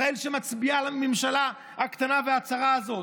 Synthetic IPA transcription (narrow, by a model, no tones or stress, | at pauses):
aelʃemat͡sbialamimʃala | akt̪anaveat͡saʁaːzo̞